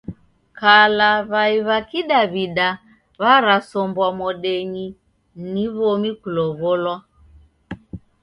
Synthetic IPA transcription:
kalaβaiβakiɗaβiɗa | βaɾasɔmbwamɔɗɛɲi | niβɔmikulɔβɔlwa

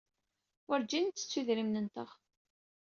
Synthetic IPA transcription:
ʊɾd͡ʒint͡sːə̥t͡sːuðɾimnənt̪əʁ

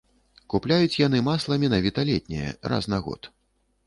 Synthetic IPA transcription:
kuplʲajut͡sʲjan̪ɨmaslˠɐmʲɛnavʲit̪ɐlʲɛt̪ʲnʲɛ̰jɛ̰ra̰znaɣɔ̰t̪

